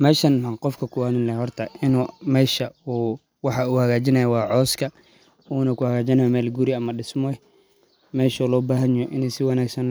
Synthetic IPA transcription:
mɛːʃɐnɐqɔfkʰɐkʰʊwaːðʊnlɛhɔrt̪ʰɐɪnuːmɛːʃɐuː | wɑħɑuhɐɣaːt͡ʃɪnɐjɐwɑːʕɔːskʰɐ | uːnɐkʊhɐɣaːt͡ʃɪnɐjmɛːlɡʊɾiɐmɐɖɪsmɔ | mɛːʃɔːlɔːbaːɦɐnjɔʔɪnɛsɪwɑnaːɡsɐn

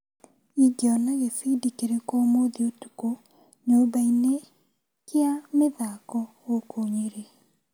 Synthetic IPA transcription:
iɡɔnaɣefidikeɾekɔmoðiotu̥ko | ɲobaine | keameðakɔ | okʰoɲeɾe

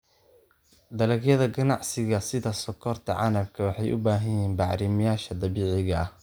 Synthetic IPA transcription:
d̪ɐlɐɡjɐðɐɡɐnɑʕsɪɣɐsɪðɐsɔkʰɔrt̪ʰɐʕɑ̰nɐb̚kʰɐwɑħɑjʔʊ̰baːɦɐjiːnbɑʕɾɪmɪjaːʃɐd̪ɐβiːʕɪɣɐh

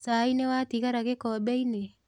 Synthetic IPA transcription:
saːinewat̪ikaɾaɡekɔbejne

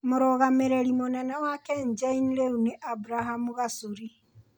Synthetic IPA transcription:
moɾɔɣameɾeɾimonɛnawakɛɲd͡ʒainɾeuneʔabuɾaɦamuɣasuɾi

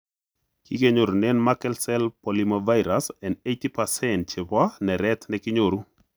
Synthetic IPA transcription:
kikeɲoɾunɛnmakɛlsɛlpolimovajɾasɛnejt̪ipasɛnt͡ʃɪpanɛɾɛt̪nɛkɪɲoɾu

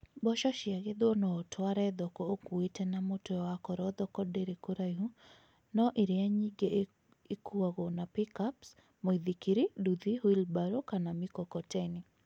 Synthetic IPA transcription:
bɔʃɔʃɪaɣɪd̪onɔːtʰwaɾɛd̪ɔkɔokuitɛnamotɔjɔwakɔɾɔd̪ɔkɔdeɾikoɾajɦu | nɔʔiɾɪaɲiɡe | ikuaɣɔnapikaps | mɔiðikiɾiduðihwilbaɾokanamikɔkɔtɛni

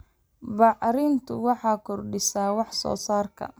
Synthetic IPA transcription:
bɑʕɾɪnt̪ʰʊwɑħɑːkʰɔrɖɪsaːwɑħsɔ̰ːsaːrkʰɐ̰

